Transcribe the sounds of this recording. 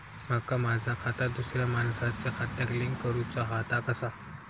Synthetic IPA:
m̤akːamad͡zʱakʰat̪ad̪usɾjamansat͡sakʰat̪jakliŋkəɾut͡saɦat̪akəsa

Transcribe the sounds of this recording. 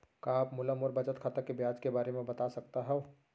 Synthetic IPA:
kaːpmʊləmʊɾbɐt͡ʃət̪kʰat̪əkebjaːd͡ʒkebaːɾemẽbɐt̪asɐkt̪aɦɛ̃

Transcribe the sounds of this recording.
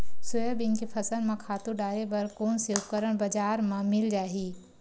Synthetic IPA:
sʊjabɪnkipʰɐsənmãkʰaːt̪ũɖaːɾebɐɾkoːnsekəɾəɽ̃bɐd͡ʒaːɾmãmɪld͡ʒaːɦiː

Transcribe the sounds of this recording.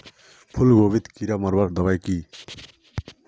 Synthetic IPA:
pʰulɡobit̪kiɾʌmʌɾbʌɾd̪ʌβajki

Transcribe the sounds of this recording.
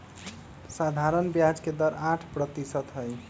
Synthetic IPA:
sad̪ʱaɾənbjad͡ʒked̪əɾãʈʰpɾət̪isət̪ɦəj

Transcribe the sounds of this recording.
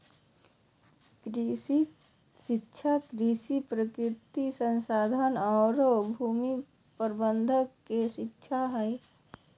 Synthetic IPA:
kɾisi | ʃɪkːʃʰakɾisipɾəkɾɪɾt̪isənsaːd̪ʱənɔːɾobʱuːmi | pəɾbənd̪ʱəkeʃɪkːʃʰaɦɛe

